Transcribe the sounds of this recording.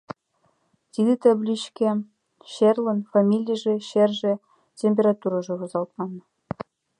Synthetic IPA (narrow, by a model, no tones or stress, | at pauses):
t̪ʲid̪ʲɘt̪ɘblʲit͡ɕkʲe | ɕerlʲɘ̆nfɑmʲilʲijʒĕɕerʒĕ | tʲemʲpʲerɑt̪uɾɑʒɤ̆ɣŏzɑlˠt̪mɑn